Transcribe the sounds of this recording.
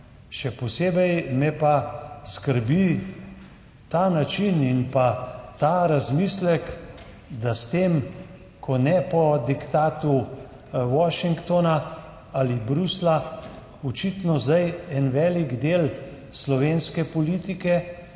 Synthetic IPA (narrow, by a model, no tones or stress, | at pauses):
ʃɛpɔseːbɛjmɛpaskəɾbi | t̪aːnat͡ʃininpat̪aɾazmiːslɛk | d̪ast̪eːm | kʰɔnɛpɔd̪ikt̪aːt̪u | wɔʃiŋkt̪ɔna | alibɾusla | ɔt͡ʃit̪nɔzd̪ajɛnʋɛːliɡd̪eːl | slɔʋeːnskɛpɔliːt̪ikɛ